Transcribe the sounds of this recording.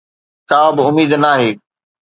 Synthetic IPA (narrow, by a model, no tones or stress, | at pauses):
kaːbɪʊmiːd̪naːɦeː